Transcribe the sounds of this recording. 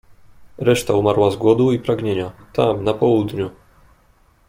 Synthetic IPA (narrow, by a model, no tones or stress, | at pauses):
ɾɛʂt̪aumaɾwazɡwɔd̪uipɾaɡɲeɲat̪amnapɔwud̪ɲu